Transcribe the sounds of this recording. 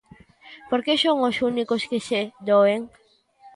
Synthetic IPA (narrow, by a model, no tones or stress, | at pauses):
poɾkesoŋosunikoskesed̪oeŋ